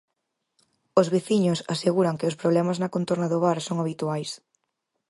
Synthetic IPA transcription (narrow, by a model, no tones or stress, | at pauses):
ozβeθiɲʊsaseɣuɾɐŋkɪʊspɾoβlɛmaznɐkont̪oɾnɐðʊβaɾsoŋaβit̪uajs